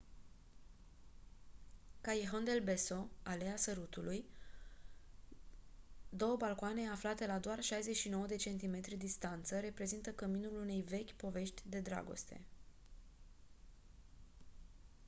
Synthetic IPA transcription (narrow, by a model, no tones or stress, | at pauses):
kajeɦond̪e̞lbe̞so̞aleasəɾut̪ulʔuj | d̪o̞wəbalkoane̞aflat̪e̞lad̪oarʃajzeʃino̞wəd̪e̞t͡ʃe̞nt̪̬ime̞t̪ɾid̪ist̪ant̪səɾe̞pɾe̞zint̪əkəminulune̞jve̞kʲpo̞ve̞ʃt̪ʲd̪e̞d̪ɾa̰ɡo̞̰st̪e̞̰